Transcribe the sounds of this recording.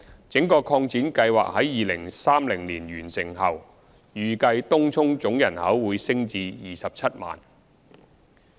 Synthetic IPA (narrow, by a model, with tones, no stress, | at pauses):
t͡sɪ˨˥ŋkɔː˧kʰɔː˧ŋt͡siː˨˥nkɐ˧jwa̰ː˨k̚hɐ˨˥jːiː˨lɪ˨˩ŋsaː˥mlɪ˨˩ŋliː˨˩nɥyː˨˩nsɪ˨˩ŋɦɐ˨w | jyː˨kɐ˧jt̪ʊ˥ŋt͡sʰʊ˥ŋt͡sʊ˨˥ŋjɐ˨˩nhɐ˨˥wwuː˨˧jsɪ˥ŋt͡siː˧jiː˨sɐ˨p̚t͡sʰɐ˥t̚ma̰ː˨˩n